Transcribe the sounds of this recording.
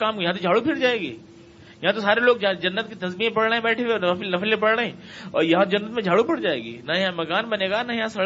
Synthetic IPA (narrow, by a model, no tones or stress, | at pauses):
kaːmkjɐɦãt̪od͡ʒʱaːɽupʰɪɾd͡ʒaːeːɡḛː | jɐɦãt̪osaːɾeloːɡ̚d͡ʒd͡ʒɐnːət̪̚kit̪ɐzmiẽpɐɽɽeɦẽbɛːʈʰẽweɔːɾɐflnɐflẽpɐɽɽeɦẽɔ̰ːɾjɐɦãt̪od͡ʒɐnːət̪mẽd͡ʒʱaːɽupʰɪɽd͡ʒaːḛːɡḭːnɐjɐɦãmɐkaːnbɐneːɡanajɐɦãsɐ